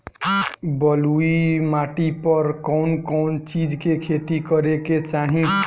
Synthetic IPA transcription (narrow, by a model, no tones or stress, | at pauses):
bʌluimaʈipʌɾkɔʊnkɔʊnt͡ʃid͡ʒkekʰet̪ikʌɾeket͡ʃaɦĩ